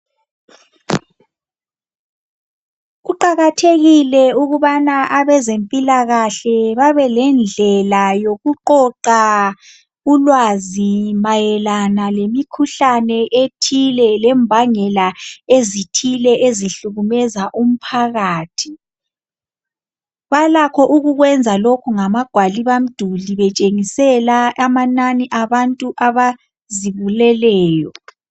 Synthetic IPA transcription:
uǃaɣatʰeɣilɛuɣuβanaʔaβɛzempʼilaɣaɬɛβaβɛlɛnd͡ɮʱɛlajoɣuǃɔǃa | ulwazimajɛlanalemikʰuɬanɛʔetʰilɛlɛmbʱaŋɛlaezitʰilɛʔeziɬuɣumɛzaʔum̩pʰaɣaːtʰi̥ | βalakʰɔʔuɣuɣwɛnd͡zʱalokʰuŋamaɡ̥ʱwaliβam̩d̥ʱuliβɛt͡ʃʼeŋisɛlaamananiʔaβantʼuʔaβa | ziβulɛlɛːjɔ

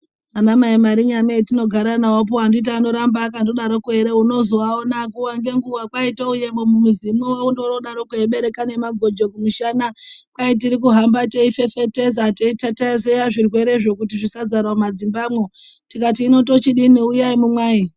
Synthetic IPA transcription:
anamaimaɾiɲamatino̞ɡʱaɾanaop̬oandit̬aːno̞ɾambakandoɗaɾokuɦe̞ɾeuno̞zoaonakuwaŋɡe̞ŋɡuʋakwaitouje̞momumuzimuweundoro̞ɗaɾokueɓe̞ɾe̞kane̞maɡʱo̞d͡ʒokumuʃanakwajet̬iɾikuɦambateife̞fe̞te̞zateitataes̬ejaʐirwe̞ɾe̞ʐo̞kutiʐisad͡zaɾamad͡zimbamwo | tikat̬iːno̞to̞t͡ʃiɗiniujaimumwaːi

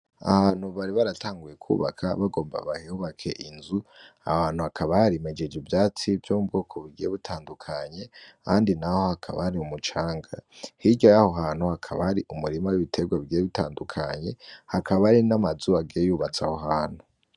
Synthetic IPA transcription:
a̰haːn̥huβaɾiβaɾataːŋɡujekʰṵːβa̰kʰa̰βaɡo̞ːmba̰βahiuβakʰe̞ʔinzu | a̰haːn̥huhakʰaβahaɾimed͡ʒed͡ʒivjaːt͡sivjomub̚ɡokʰoβiɡieβitʰaːndukʰaɲe̞kaːndinaho̞hakʰaβa̰haɾiumut͡ʃaːŋɡa̰hiɟojahoɦaːn̥huhakʰaβa̰haɾiʔumuɾimawiβitʰe̞ɡwaβiɡijeβitaːndukʰaɲe̞hakaβaɾinamazuaɡiejuːβat͡sahoɦaːn̥hu

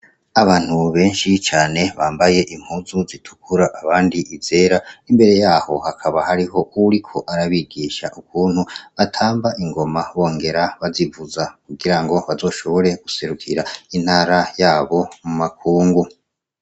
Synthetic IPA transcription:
aβaːn̥huβe̞ːnʃit͡ʃaːne̞βaːmbaje̞ʔim̥huːzuzitʰu̥kuɾaʔaβaːndiʔize̞ːɾaimbe̞ɾe̞jaːho̞hakʰaβahaɾiɦo̞uɾikʰo̞ʔaɾaβiɡiːʃaʔukuːnhuβatʰaːmbaʔiŋɡo̞maβo̞ːŋɡe̞ɾaβazivuzakuɡiɾaŋɡo̞βazo̞ːʃo̞βo̞ɾe̞ɡ̥use̞ɾukʰiɾain̥haːɾajaːβo̞mumakʰuːŋɡu

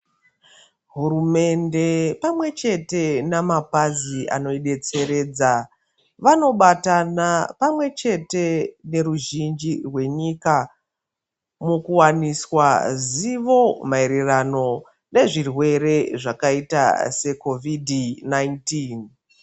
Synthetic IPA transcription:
ɦuɾume̞nde̞pamwe̞t͡ʃe̞te̞namapaziʔa̰no̞iɗe̞t͡se̞ɾe̞ːd͡za | ʋano̞ɓatanapamwe̞t͡ʃe̞te̞ne̞ɾuʒind͡ʒirwe̞ɲika | mukuwaniswaziʋo̞maeɾirano̞ | ne̞ʐirwe̞ɾe̞ʐakaita̰se̞ko̞vidʱnaintin

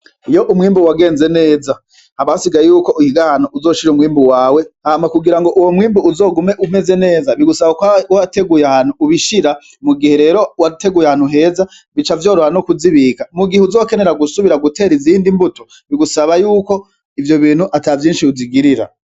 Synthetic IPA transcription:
ijo̞ʔumŋiːmbuwaɡe̞ːnze̞ne̞ːza | haβasiɡajejuːko̞ʔihiɡahanuʔuzo̞ːʃiɾumŋiːmbuwaːwe̞ahamakuɡiɾaŋɡo̞ʔuwo̞mwiːmbuuzo̞ːɡume̞ʔume̞ze̞ne̞ːzaβiɡusaβakwawate̞ɡujahaːn̥huuβiʃiɾa | muɡihe̞ɾe̞ːɾo̞wate̞ɡujahaːn̥huɦe̞ːza | βit͡ʃavjo̞ːɾoɾanokuziβikamuɡiheuzo̞ːke̞ne̞ɾaɡusuβiɾaɡute̞ːɾiziːndimbuto | βiɡusaβajuːko̞ | ivjo̞βiːn̥huʔatavjiːnʃiuziɡiɾiɾa̰

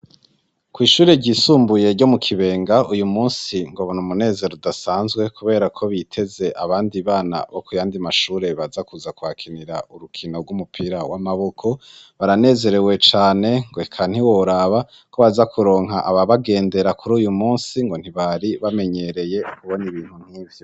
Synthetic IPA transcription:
kwiːʃuːɾe̞ɟiːsuːmbuje̞ɾɟo̞mukʰiβe̞ːŋɡaujumuːnsiŋɡoβonumune̞ːze̞ɾodasaːnzɡwe̞kuβe̞ːɾakʰo̞βitʰe̞ze̞ʔaβaːndiβaːna̰βokujaːndimaʃuːɾe̞βazakuzakuwakʰiniɾa̰uɾukʰino̞ɾɡumupʰiɾawamaβo̞kʰo̞ | βaɾane̞ːze̞ɾe̞we̞t͡ʃaːne̞ŋɡoekʰan̥hiwoɾaβa | ko̞βazakʰuɾo̞ːŋɦaʔaβaβaɡe̞ːnde̞ɾakʰuɾuːjumuːnsiŋɡo̞n̥iβaɾiβame̞ɲe̞ɾe̞je̞kuβo̞niβiːn̥hun̥hiːvjo

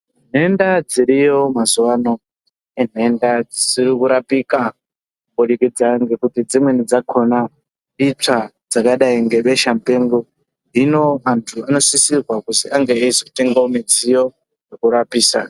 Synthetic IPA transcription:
n̤e̞ndad͡ziɾijo̞mazuwano̞ | en̤e̞ndad͡zisiɾikuɾapika | kumoɗikid͡zaŋɡe̞kutid͡zimwe̞nid͡zakʰo̞na | it͡sad͡zakaɗaiŋɡe̞ɓe̞ʃam̩peŋɡo | ino̞antʰuano̞sisirwakutiaŋɡeːizo̞te̞ŋɡaomid͡zijo̞ | jekuɾapiːsa̰

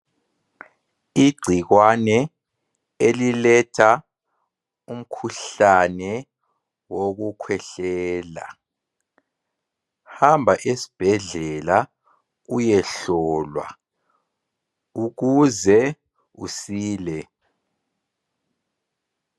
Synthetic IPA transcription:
iɡ͡ǀʱiɣwanɛ | elilɛtʰa | um̩kʰuɬanɛ | woɣukʰwɛɬɛːla̰ | hambʱaʔesi̥b̥ʱɛɮɛla | ujɛɬɔːlwa̰ | uɣuzɛ | usiːlɛ

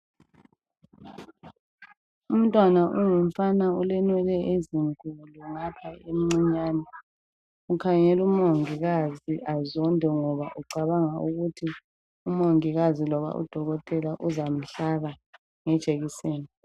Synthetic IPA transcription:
um̩tʼwanaʔuŋuɱ̩fanaulɛnwɛlɛeziŋkʼuluŋapʰaemiŋ͡ǀiɲaːnɛ | ukʰaŋɛlumoŋiɣaziʔazɔndʱɛŋɔβaʔuɡ͡ǀʱaβaŋaṵɣutʰi | umoŋiɣazilɔβa̰ʔṵd̥ʱɔɣɔtʼɛlaʔuzam̩ɬaɣa | ŋɛd̥t͡ʃʼeɣiseːni

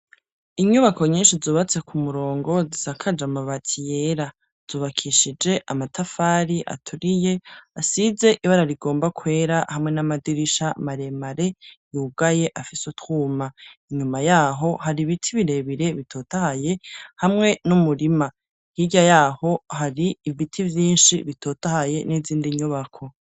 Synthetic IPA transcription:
iɲuβako̞ɲiːnʃizuːβat͡se̞kʰumuɾo̞ːŋɡo̞zisakʰad͡ʒamaβatʰije̞ɾa | z̥uːβakʰiʃid͡ʒe̞ʔamatʰafaːɾiʔa̰tʰuɾije̞asize̞ʔiβaɾaɾiɡo̞ːmbakʰwe̞ːɾahamŋe̞namadiɾiʃamaɾe̞maɾe̞juːɡaje̞ʔafisutuːmaiɲumajaːɦo̞haɾiβitʰiβiɾe̞βiɾe̞βitʰo̞ːtahaje̞hamŋe̞numuɾima | hiɟajaːho̞haɾiːvitʰivjiːnʃiβitʰo̞ːtahaje̞niziːndiɲuβakʰo̞

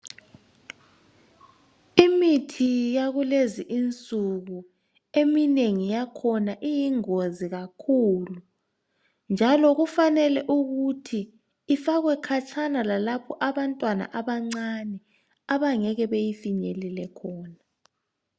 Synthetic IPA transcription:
imitʰijaɣuleziʔint͡sʼuɣu | emineŋijakʰɔnaʔijiŋoziɣakʰulu | nd͡ʒʱalɔɣufanɛlɛʔuɣutʰiː | faɣwɛkʰat͡ʃʰanalalapʰɔʔaβantʼwana̰ʔaβaŋ͡ǀanɛ | aβaŋɛɣɛβejifiɲɛlɛlɛkʰɔːna

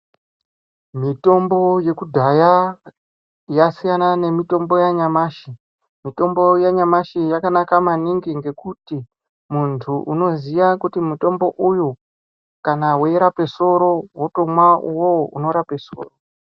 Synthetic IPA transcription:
mito̞mbo̞je̞kudʱaja | jasijanane̞mito̞mbo̞jaɲamaːʃi | mito̞mbo̞jaɲamaʃijakanakamaniŋɡiŋɡe̞kuti | muntʰuʔuno̞ziʋakutimuto̞mbo̞ʔuju | kanaweiɾape̞so̞ɾo̞woto̞mwauwoṵno̞ɾapeso̞̰ːro

